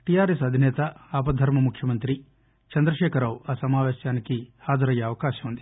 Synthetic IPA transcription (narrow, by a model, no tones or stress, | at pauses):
ʈijaːɾesɐd̪ʱinɛːt̪ɐaːp̬ɐd̪ʱɐɾmɐmukʰjɐmɐnt̪ɾi | t͡ʃɐnd̪ɾɐʃɛːkɐɾaːwaːsɐmaːʋeːʃjaːnikihaːd͡ʒɐɾɐjːɐːʋɐkaːʃɐmund̪i